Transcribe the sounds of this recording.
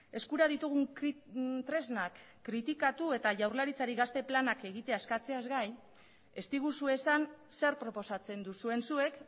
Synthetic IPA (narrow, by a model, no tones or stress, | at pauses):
e̞skuɾaðit̪uɣ̞uŋ | t̪ɾe̞znakː | ɾit̪ikat̪ue̞t̪aʝawrlaɾit͡saɾiɣast̪e̞planake̞ɣit̪e̞aeskat͡se̞azɣaj | e̞st̪iɣ̞usue̞sanse̞ɾpɾo̞po̞sat͡se̞nd̪usue̞nsue̞k